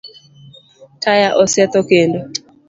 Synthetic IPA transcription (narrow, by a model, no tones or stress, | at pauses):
kajaʔɔsɛt̪okendo